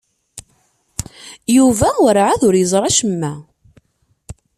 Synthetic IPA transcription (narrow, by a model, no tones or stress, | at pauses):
juvæwɾʕaðʊɾjəzˤɾˤɑʃəmːæ